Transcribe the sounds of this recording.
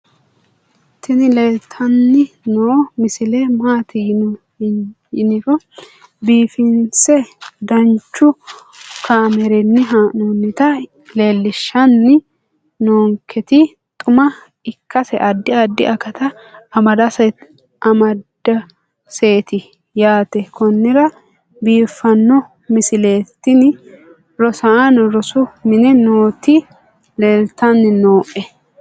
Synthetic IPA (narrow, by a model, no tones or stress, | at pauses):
t̪ːɪnɪlet̪ʰːɐnːɪ | nomɪsɪlɛmaːt̪ɪjɪn | jɪnɪɾɔ | biːfɪnsɛd̪ɐnt͡ʃːʊ | kʰaːmɛɾɛnːɪɦanonːɪt̪ɐ | leːlːɪʃːɐnːɪ | noːŋkʰɛt̪ɪ | t̪ʼʊmɐ | ɪkːɐsɛʔɐd̪ːɪɐd̪ːɪ̰ʔɐkɐt̪ɐː | mɐd̪ɐsɛ | ɐmɐd̪ːɐ | se̞ːt̪ɪ | jaːt̪ɛkɔnːɪɾɐ | biːfːɐnːɔ | mɪsɪleːt̪ːɪnɪ | ɾɔsɐanɾɔsʊmɪnɛnoːt̪ɪ | leːlt̪ɐnːɪnoːʔɛ